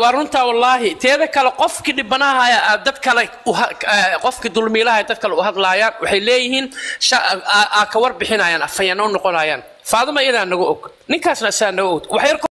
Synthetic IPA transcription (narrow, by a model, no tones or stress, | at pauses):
wɑːrʊnt̪ʰɐwɑlːɑːɦɪt̪ʰɛːðɐkʰɐlɛqɔfkʰiɖɪbɐnɐɦjd̪ɐd̪kʰɐlɛʊɦɐqɔfkʰid̪ʊlmiːlɐhajɛd̪ɐd̪̚kʰɐlɛʊɦɐðlaːjaːnwɑħɑjlɛːjɪɦiːnʃɐakʰɐwɐrbɪħɪnɐjaːnɐfɐjɐnɐʊnːɔqɔnaːja̰ːn | faːðʊmɐɪjɐðaːnːɐɣʊʔɔɡnɪŋkʰaːsnɐsɪaːnɐɣɔɔɡwɑħjɐrkʰ